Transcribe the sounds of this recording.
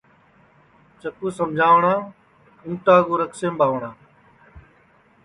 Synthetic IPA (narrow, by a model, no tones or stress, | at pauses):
t͡ʃəkuːsəmd͡ʒʱaːʋɳãː | ũːʈaːɡoːɾəksẽːmɓaːʋɳãː